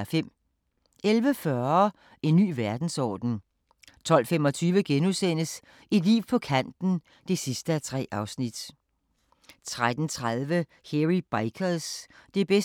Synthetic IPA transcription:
fem̰ | elʋəfɶɐ | e̝nːy̰ːʋæɐd̥n̩sɒ̰ːd̥n̩ | t͡sʰɒ̽l̰femɒ̽t͡sʰyːʋəɡ̥enusen̰əs | id̥lḭːʊpʰɒ̽kʰæn̰d̥n̩ | d̥e̝sisd̥əæt͡sʰʁɛ̰ːʔɑ̈ʊsnid̥ | t͡sʰʁad̥n̩t͡sʰʁaðˠʋə | heʁib̥ɑɪkʰɐðˠsd̥e̝b̥es

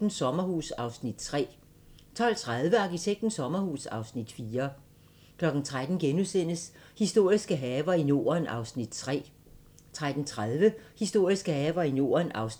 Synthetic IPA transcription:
n̩sɒ̽mɐhuːsɑ̈ʊsnid̥̚t͡sʰʁɛ̰ː | t͡sʰɒ̽l̰t͡sʰʁaðˠʋəɑ̈kʰit͡sʰeɡ̥̚d̥n̩sɒ̽mɐhuːsɑ̈ʊsnid̥fiːɐ | kʰlɒ̽ɡ̥n̩t͡sʰʁad̥n̩ɡ̥enusen̰əs | hisd̥o̝ɐ̰isɡ̥əɦɛːʋɐino̝̰ːɐnɑ̈ʊsnid̥̚t͡sʰʁɛ̰ː | t͡sʰʁad̥n̩t͡sʰʁaðˠʋəhisd̥o̝ɐ̰isɡ̥əhɛːʋɐino̝̰ːɐnʔɑ̈ʊs

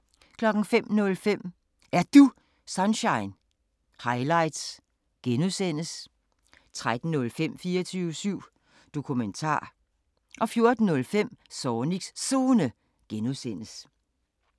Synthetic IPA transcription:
kʰlɒ̽ɡ̥n̩fem̰nɔ̽lfem̰ | ʔæɐd̥u | sɑnɕɑ̈ɪn | hɑ̈ɪlɑ̈ɪd̥s | ɡ̥enusen̰əs | t͡sʰʁad̥n̩ːɔ̽lfem̰fiːɐt͡sʰyːʊsyʊ̰ | d̥o̝kʰument͡sʰɑ̰̈ː | ʔɒ̽fjo̝ɐd̥n̩ːɔ̽lfem̰sɒːni̥ssoːnə | ɡ̥enuðsen̰əs

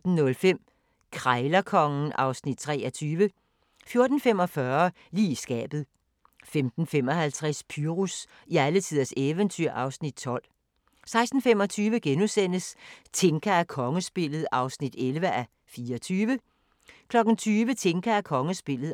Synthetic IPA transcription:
d̥n̩nɔ̽lfem̰ | kʰʁɑɪlɐkʰɒ̽ŋn̩ɑ̈ʊsnid̥̚t͡sʰʁɛːɐt͡sʰyːʋə | fjo̝ɐd̥n̩fem̰ɒ̽fɶɐ | lḭːsɡ̥ɛ̰ːb̥ð̞̩ˠ | femd̥n̩fem̰ɒ̽hælt͡sʰʁaspʰyʁus | iælət͡sʰiðˠɐseʋənt͡sʰyɐ̰ʔɑ̈ʊsnid̥̚t͡sʰɒ̽l̰ | sɑ̈ɪsd̥n̩fem̰ɒ̽t͡sʰyːʋəɡ̥enusen̰əst͡sʰe̝ŋkʰæækʰɒ̽ŋəsb̥e̝lð̞̩ˠɑ̈ʊsnid̥elʋəʔæ | fiːɐɒt͡sʰyːʋə | kʰlɒ̽ɡ̥n̩t͡sʰyːʋət͡sʰe̝ŋkʰæækʰɒ̽ŋəsb̥e̝l̰ð̩ˠ

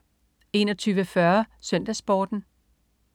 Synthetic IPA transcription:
e̝̰ːnɒ̽t͡sʰyːʋəfɶɐsøn̰d̥æsb̥ɒ̰ːd̥n̩

